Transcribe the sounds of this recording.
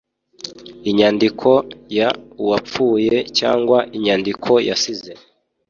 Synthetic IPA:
iɲaːndikʰo̞jauwap͡fuːje̞ca̰ːŋɡwaʔiɲaːndikʰo̞ja̰size

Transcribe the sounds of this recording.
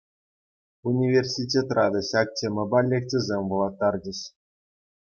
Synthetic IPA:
unʲivʲersʲitʲet̪rʔɑd̪ɤ̆ɕɑk̚tʲʰemʲɘ̆bɑlʲːekʲtʲĕzʲemʲʋulˠɑt̪ːɑrd͡ʑɘ̆ɕ

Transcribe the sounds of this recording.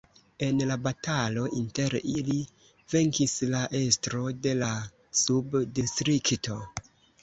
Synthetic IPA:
e̞nlabatalo̞ʔinte̞ɾili | ve̞ŋkislaʔe̞stɾo̞de̞la | subdistɾikto̞

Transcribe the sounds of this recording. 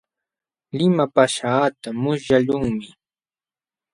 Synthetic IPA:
lɪmapaʃaːt̪amʊsjalʊŋmɪ

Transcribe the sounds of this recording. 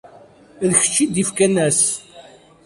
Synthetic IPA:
ðəçə̥t͡ʃːid̪ifkænæs

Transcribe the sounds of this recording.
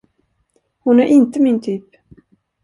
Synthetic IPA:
hʊnæɾʔɪnt̪əmɪnt̪ʰyːp

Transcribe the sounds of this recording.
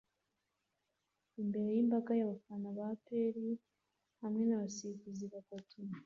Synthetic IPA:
imbe̞ɾe̞jimbaɡajaβafanaβapeɾi | hamŋe̞naβasikuziβakotum

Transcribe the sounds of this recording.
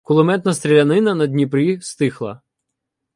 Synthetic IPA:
kʊlˠʊmɛt̪nɐst̪ɾʲilʲɐnɪnɐnɐd̪ʲnʲipɾʲist̪ɪxlˠɐ̰

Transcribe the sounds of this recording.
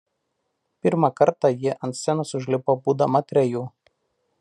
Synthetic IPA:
pʲɪɾmɑkɐɾt̪ɑˑjɪʔɐnt̪sʲsʲɛnʊsʊʒʲlʲɪpoːbuːd̪ɐmɐt̪ʲɾʲɛjuː

